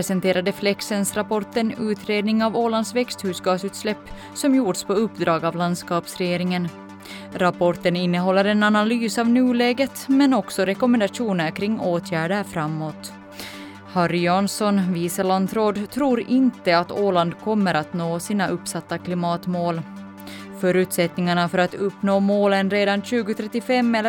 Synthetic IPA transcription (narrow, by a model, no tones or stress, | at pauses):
ɾɛsɛnt̪ʰeːɾad̪əflɛksɛnsɾapɔʈənʉːt̪ɾeːd̪nɪŋavoːland̪svɛkst̪hʉ̟ːsɡɑːsʉːt̪slɛpː | sɔmjuːʈspʰɔɵpːd̪ɾɑːɡaːvland̪skɑːpsɾɛjeːɾɪŋən | ɾapʰɔʈənɪnːəɦɔlːəɾɛnanalyːsavnʉːlɛːɡət̪mɛnɔksɔɾɛkɔmɛnd̪aʂuːnəɾkʰɾɪŋːoːt̪ʰjæːɖəɾfɾamːoːt̪ | hɑɾɪjɑnsɔnviːsəland̪ɾoːd̪t̪ʰɾuːɾɪnt̪əat̪oːland̪kʰɔmːəɾat̪noːsiːnaʔɵpːsat̪ːakʰlɪmɑːt̪moːl | fœːɾʉ̟ːt̪sɛt̪nɪŋaɳafœɾat̪ɵpːnoːmoːlənɾeːd̪anɕʉ̟ːɡʊt̪ʰɾɛt̪ːɪfɛmːɛlː